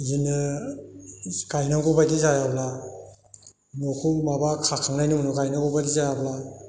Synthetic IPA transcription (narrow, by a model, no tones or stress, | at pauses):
jinɯ | kajnaɡɔbadizajabla | nokʰumabakʰakʰaŋnajnɯmnɯkajnaɡɔbadizajabla